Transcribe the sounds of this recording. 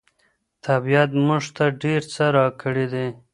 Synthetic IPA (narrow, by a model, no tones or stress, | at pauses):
t̪ʰabijat̪muʐt̪aɖeɾt͡səɾɑkəɽed̪e